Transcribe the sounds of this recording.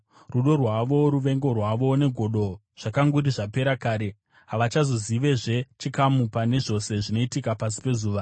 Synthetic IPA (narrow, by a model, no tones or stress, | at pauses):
ruɗo̞rwaʋo̞ɾuʋe̞ŋɡo̞rwaʋo̞ne̞ɡʱo̞ɗo̞ | ʐ̥akaŋɡuɾiʐape̞ɾakaːɾe̞ | ɦaʋat͡ʃazo̞ziʋe̞ʐe̞t͡ʃikamupane̞ʐo̞se̞ʐino̞itikapas̬i̥pe̞zuːʋa